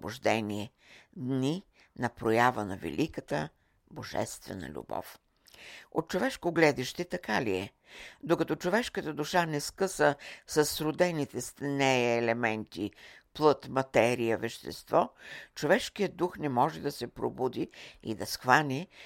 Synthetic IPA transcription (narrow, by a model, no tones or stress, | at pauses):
bʊʒd̪ɛniɛ | d̪ni | nɐpɾojavənɐvɛ̰lʲʔikət̪ə | boʒɛ̰st̪vɛ̰nə̰lʲṵbɔ̰f | ot̪̚t͡ʃovɛʃkoɡlɛd̪iʃt̪ɛt̪ɐkaliɛ | d̪okɐt̪ɔt͡ʃovɛʃkət̪əd̪uʃanɛskɤsəsɐsːɾʊd̪ɛnit̪ɛst̪nɛːlɛmɛnt̪iplˠɤt̪mɐt̪ɛɾijəvɛʃt̪ɛ̰st̪vɔt͡ʃovɛʃkijəd̪uxnɛmɔʒɛd̪ɐsɛpɾo̰bud̪iḭd̪ɐsxvanʲi